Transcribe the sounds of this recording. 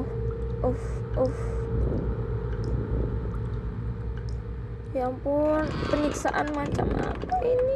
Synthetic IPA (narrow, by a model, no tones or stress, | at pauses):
ʔɔfʔɔf | jaŋpʊnpəniksaʔanmat͡ʃa̰mʔa̰paʔini